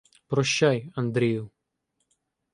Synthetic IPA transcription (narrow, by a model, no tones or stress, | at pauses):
pɾɔɕːajɐnd̪ɾʲeju